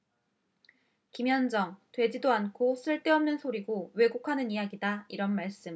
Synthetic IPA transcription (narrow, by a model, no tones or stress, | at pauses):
kimjʌnd͡ʑʌŋtwe̞d͡ʑidoankʰos͈ʰɯɭt͈eʌmnɯnsʰoɾiɡowe̞ɡukʰanɯnijaɡidaiɾʌnmaɭs͈ɯm